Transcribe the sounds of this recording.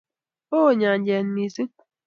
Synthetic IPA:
o˦˨ɲa˨ɲ˦d͡ʒe˨n̩˨˦mi˨si˦

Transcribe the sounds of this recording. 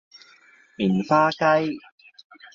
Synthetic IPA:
miː˨˩nfaː˥kɐ˥j

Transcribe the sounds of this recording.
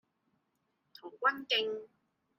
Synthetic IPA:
t̪ʰuː˨˩kʷɐ˥nkɪ˧ŋ

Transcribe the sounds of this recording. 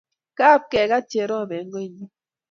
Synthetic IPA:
ka˦˨p̚kɛ˨ka˦te˨ɾɔ˦˨bɛ˨˦ŋ˦ɡo˦˨ɲi˦

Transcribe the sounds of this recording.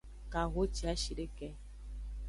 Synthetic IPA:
ka˨ɣo˦t͡ʃi˨a˦ʃi˨ɖe˦kɛ˦

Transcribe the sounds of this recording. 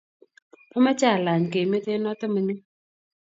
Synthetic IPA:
a˦ma˦t͡ʃa˦˨la˨ɲ˨ke˨me˦te˦nɔ˦tɪ˦mə˨˦ni˦

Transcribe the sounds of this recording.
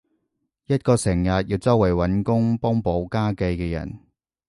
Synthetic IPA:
jɐ˥t̚kɔː˧sɪ˨˩ŋjɐ˨t̚jiː˧wt͡sɐ˥wɐ˨˩jwɐ˨˥nkʊ˥ŋpɔ˥ŋpo˨˧˥wkaː˥ke˧jkɛː˧jɐ̰˨˩n

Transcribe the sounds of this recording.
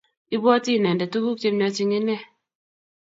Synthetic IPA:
i˦bwɔ˦ti˦˨nɛ˨ndɛ˨tu˦ɡu˦k̚t͡ʃe˦m˦ɲɔ˧˦t͡ʃi˦ŋe˦nɛ˦˨

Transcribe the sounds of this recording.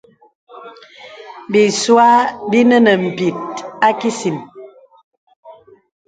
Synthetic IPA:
bi˨swa˦bi˦nə˦nə˨m̩˨pi˨t̚a˦ki˦si˨m

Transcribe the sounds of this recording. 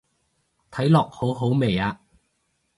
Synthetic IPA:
t̪ʰɐ˨˥jlɔː˨k̚ho˨˥wɦo˨˥wme˨jaː˧

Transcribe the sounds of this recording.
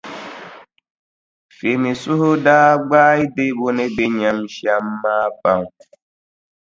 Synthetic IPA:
fe˨mĩ˨su˦ɦo˦daː˦ɡ͡baː˦i˦de˦bo˦nẽ˦be˦ɲã˨m˦ʃi˦a˨m̩˦ma˦ba˨ŋ˨

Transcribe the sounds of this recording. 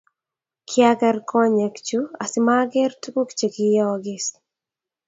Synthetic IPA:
kʰjaɡɛ˦rkʰɔ˦ɲɛ˨kt͡ʃua˨sɪ˦maɡɛ˦rtu˦ku˦kt͡ʃe˨kɪjɔɡɪs

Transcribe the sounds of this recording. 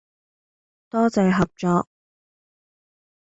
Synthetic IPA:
t̪ɔː˥t͡sɛ˨˧jɦɐ˨p̚t͡ʃɔː˨˧k̚

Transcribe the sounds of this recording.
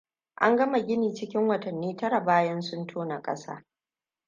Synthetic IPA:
ʔa̰˦ŋɡɐ˦ma˨ɡʲɪ˦niː˨t͡ʃɪ˦kʲɪ˦ŋwɐ˨tɐ˨nːiː˦tɐ˦ɾa˨baː˦jɐ˦nsʊ˦ntʰoː˦na˨kʼɐ̰˦sa̰ː˦

